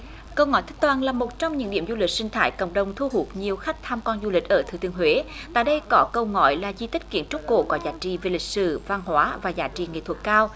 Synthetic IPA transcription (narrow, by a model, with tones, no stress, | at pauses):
kə˧wŋɔ̰˧˨jt̪ʰə̟˦˥t̪waː˧˩nlaː˨˩mo˨˩t̚t͡ɕɔ˧wŋ͡mɲɨ̰˧˥ŋɗḭ˧˩əmzu˧li˨˩k̚sï˧ŋ̟t̪ʰaː˧˩jkə̰˧˨wŋ͡mɗə˨˩wŋ͡mt̪ʰu˧ɦu˨˩ət̚ɲi˨˩əwxa˦˥jk̚t̪ʰaː˧mkɔ˧nzu˧lï˨˩k̟̚ʔəː˧˩t̪ʰɨ˨˩t̪ɨ˧əŋɦwe˨˦t̪a̰ː˧˨jɗə˧jkɔ˨˦kə˧wŋɔ̰˧˨jlaː˨˩zi˧t̪i̟˦˥kḭ˧˩ənt͡ɕʊ˦˥k͡p̚ko̰˧˩kɔ˨˦zaː˨˦t͡ɕḭ˧˨ve˨˩lï˨˩k̟̚sɨ̰˧˩va˧˩nhwaː˨˦vaː˨˩zaː˨˦t͡ɕḭ˧˨ŋḛ˧˨t̪ʰwt̚kaː˧w